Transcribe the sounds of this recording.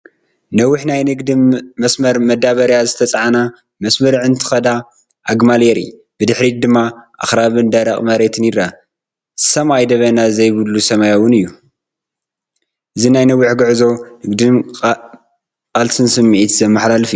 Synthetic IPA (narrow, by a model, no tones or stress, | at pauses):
nɐwʊħnajnɨɡd̪ɨmːɐsmɐɾmɐd̪aβɐɾjazɨt̪ʰɐt͡sʼʕana | mɐsmɐɾʕɨnt̪ʰɨ̥xɐd̪a | ʔaɡmaljeɾḭ | b̥ɨd̪ɨħɾid̪ɨmːaʔa̰xɾaβɨnd̪ɐɾɐkʼmɐɾet̪ʰɨniɾa | sɐmajd̪ɐβɐnazɐjβɨd̪lusɐmajawɨnɨjːu | ʔɨzinajnɐwːuħɡɨʕzo̞nɨɡd̪ɨm | kʼalsɨnsɨmːiʕit̪zɐmːaħlalɨfij